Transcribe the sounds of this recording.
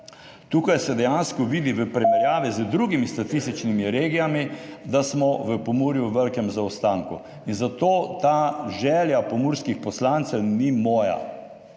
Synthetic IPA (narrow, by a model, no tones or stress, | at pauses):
t̪uːkajsɛd̪ɛjanskɔʋiːd̪iʋəpɾɛmɛɾjaːʋizəd̪ɾuɡimist̪at̪ist̪it͡ʃnimiɾeːɡijamid̪asmɔʋəpɔmuːɾjuʋəlkɛmzaɔst̪aːŋku | inzat̪oːt̪aʒɛːljapɔmuːɾskixpɔslant̪sɛwnimɔːja̰